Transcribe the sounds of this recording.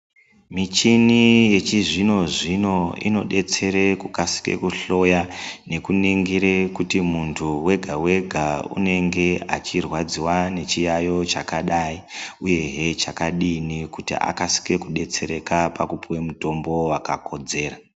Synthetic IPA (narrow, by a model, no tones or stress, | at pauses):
mit͡ʃinije̞t͡ʃiʐino̞ʐino̞ḭno̞ɗe̞t͡se̞ɾekukasi̥ke̞̰kuɬo̞jane̞kuniŋɡiɾekutimuntʰuwe̞ɡʱawe̞ɡʱaṵne̞ŋɡe̞at͡ʃirwad͡ziwane̞t͡ʃijajo̞t͡ʃakaɗaiuje̞ɦe̞t͡ʃakaɗinikutḭʔa̰kasi̥ke̞kuɗe̞t͡se̞ɾe̞kapakupiwe̞muto̞mbo̞wakako̞d͡ze̞ːra